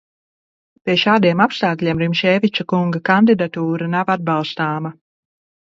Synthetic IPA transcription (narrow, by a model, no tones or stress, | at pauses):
pʲiɛʃaːd̪iɛmapst̪aːklʲiɛmɾimʃɛːvit͡ʃakuŋɡakand̪id̪at̪uːɾanavad̪̚bɑlˠst̪aːma